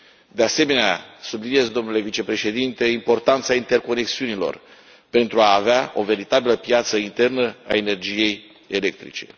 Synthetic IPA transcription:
d̪ease̞me̞neasublinie̞zd̪o̞mnule̞vit͡ʃe̞pɾe̞ʃe̞d̪int̪e̞impo̞rt̪ant̪saint̪e̞rko̞ne̞ksiunilo̞̰r | pe̞nt̪ɾuaːveao̞ve̞ɾit̪abiləpjat̪səint̪e̞rnəa̰e̞ne̞rd͡ʒije̞j | e̞le̞k̚t̪ɾḭt͡ʃe̞̰

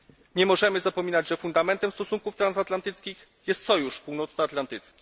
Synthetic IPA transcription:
ɲɛmɔʐɛmɘzapɔmʲinad͡ʑʐɛfund̪amɛnt̪ɛmst̪ɔsuŋkuft̪ɾansat̪lant̪ɘt̪skʲix | jɛst̪sɔjuʂpuwnɔt̪saat̪lant̪ɘt̪skʲi̥

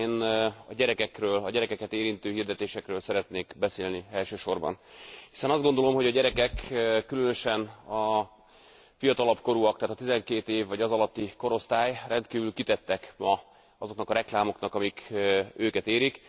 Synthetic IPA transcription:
nɒɟɛɾɛkɛkrøːlɒɟɛɾɛkɛkɛt̪eːɾint̪øːɦiːrd̪ɛt̪eːʃɛkrøːlsɛɾɛt̪neːkbɛseːlniɛlʃøːʃo̞rbɒ̰nhi̥sɛnɒzd̪ɡo̞nd̪o̞lo̞mɦo̞ɟɒɟɛɾɛkɛkːylønøʃɛnɒ | fijɒt̪ɒlɒpko̞ɾuɒk̚t̪aːt̪ɒt̪izɛŋkeːt̪eːvːɒɟɒzɒlɒt̪ːiko̞ɾo̞st̪aːjrɛnt̪kiːvylkit̪ɛt̪ːɛkmɒ | ɒzo̞knɒkɒɾɛklaːmo̞knɒkɒmikøːkɛt̪eːɾik

